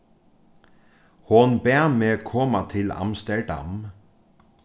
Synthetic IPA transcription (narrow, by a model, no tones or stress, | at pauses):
hʊnbæmeːkʰɔːmɑt̪ʰɪlɑ̰mst̪əɹɖɑ̰m